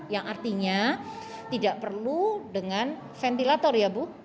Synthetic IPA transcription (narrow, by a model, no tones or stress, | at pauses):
jaŋʔart̪iɲa | t̪idaʔpərludəŋan | fɛnt̪ilat̪ɔrjabu